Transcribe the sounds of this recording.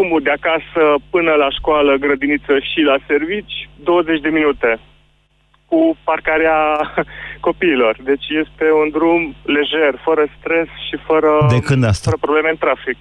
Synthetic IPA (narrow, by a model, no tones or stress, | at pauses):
umud̪eakasəpɨnəlaʃkoaləɡɾəd̪init̪səʃilase̞rvit͡ʃʲd̪o̞wəze̞t͡ʃʲd̪e̞minut̪e̞ | kuparkaɾea | ko̞piːlo̞rd̪e̞t͡ʃʲje̞st̪e̞und̪ɾumle̞ʒe̞rfəɾəst̪ɾe̞sʃifəɾəd̪ekɨnd̪asɾəpɾoble̞meɨnt̪ɾafik